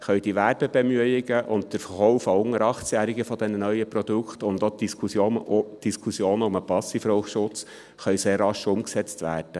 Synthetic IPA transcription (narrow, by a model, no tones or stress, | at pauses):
χœʏɥd̥iʋæːɾbəb̥emyəɪɡəʔʊnt̚təɾfχɔʊfaʊŋːəɾɑχt͡sjæːɾiɡəfɔd̥̪ɛnənœʏəpɾɔd̥̪ukχt̪ʊnd̪ot̚d̥iskʰusjoːnd̥iskʰusjoːnəʊməpɑsifɾoʊʃʊt͡s | χœʏseːrːɑʃʊmksɛt͡stʋæ̰ːɾd̥ə